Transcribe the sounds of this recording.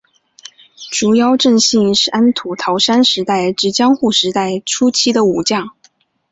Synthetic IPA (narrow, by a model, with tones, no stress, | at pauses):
ʈ͡ʂu˧˩jɑ˥ʊʈ͡ʂə˥˧ŋɕi˥˧nʂ̩˥˩ʔa˥nt̪ʰu˨˩t̪ʰɑ˧˥ʊʂa˥nʂɻ̩˧˥t̪a˥˩ɪʈ͡ʂɻ̩˧˥t͡ɕjɑ˥ŋxu˥˩ʂɻ̩˧˥t̪a˥˩ɪʈ͡ʂʰu˥t͡ɕʰi˥d̪ə˨u˨˩t͡ɕjɑ˥˩ŋ